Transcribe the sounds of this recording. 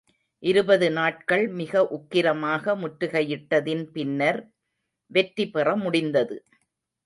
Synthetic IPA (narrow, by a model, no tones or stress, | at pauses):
ʔɪɾɯbɐðɯnaːʈ̚kɐɭmɪɣɐʔʊkːɪɾɐmaːɣɐmʊʈɾɯɣɐjɪʈːɐðɪnpɪnːɐɾ | ʋɛʈɾɪpɛrɐmʊɽɪnd̪ɐðɯ